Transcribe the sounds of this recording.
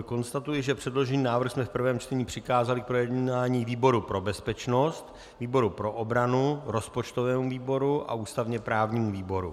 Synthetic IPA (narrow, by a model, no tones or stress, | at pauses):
ko̞nst̪at̪ujɪʒɛpr̝̥ɛdlo̞ʒɛɲiːnaːvr̩xsmɛfpr̩vɛːmt͡ʃt̪ɛɲiːpr̝̥ɪkaːzalɪk̚pɾo̞jɛd̪aːɲiːviːbo̞ɾupɾo̞bɛspɛt͡ʃno̞st̪ | viːbo̞ɾupɾo̞ʔobɾanuɾo̞spot͡ʃt̪o̞vɛːmuviːbo̞ɾuʔa̰ʔuːst̪avɲɛpɾaːvɲiːmuviːbo̞ɾṵ